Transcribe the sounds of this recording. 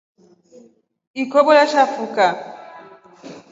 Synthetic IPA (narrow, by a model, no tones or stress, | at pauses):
ikɔbɔlaʃafuka